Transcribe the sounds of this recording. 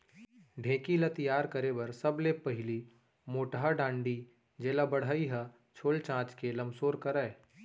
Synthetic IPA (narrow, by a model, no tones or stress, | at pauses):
ɖʱẽːkilɐt̪ɪjaːɾkɐɾebɐɾsɐblepɐɦɪli | moːʈɦaɖãːɳɖi | d͡ʒeːlabɐɽ̤aːiɦə | t͡ʃʰoːlt͡ʃãːt͡ʃkelɐ̃msoːɾkɐɾɛː